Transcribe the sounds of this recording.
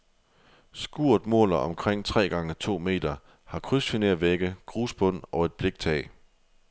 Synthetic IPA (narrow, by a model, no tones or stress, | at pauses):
sɡ̥uɐ̰d̥mɔ̰ːlɐɒ̽mkʰʁeŋ̰t͡sʰʁɛ̰ːɡ̥ɑ̈ŋət͡sʰo̝̰ːme̝̰ːd̥ɐ | hɑ̈kʰʁysfineɐʋeɡ̥əɡ̥ʁṵːsb̥ɔ̽n̰ɒ̽e̝d̥̚b̥le̝ɡ̥̚t͡sʰɛ̰ː